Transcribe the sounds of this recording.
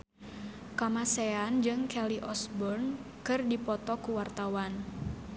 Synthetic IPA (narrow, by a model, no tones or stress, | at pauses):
kamaseand͡ʒɨŋkɛliʔɔsbɔrn | kɨrdipɔt̪ɔkuwart̪awan